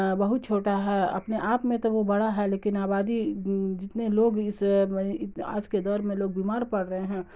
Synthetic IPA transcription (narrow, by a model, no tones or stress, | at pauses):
bɐɦʊt̪̚t͡ʃʰoːʈaɦɛɐ̰pneʔaːpmẽt̪oʋobɐɽaɦɛleːkɪnaːbaːd̪id͡ʒɪt̪neloːɡɪsɪa̰ːd͡ʒked̪ɔːɾmẽloːɡ̚biːmaːɾpɐɽɾəɦeɦɛ̃ː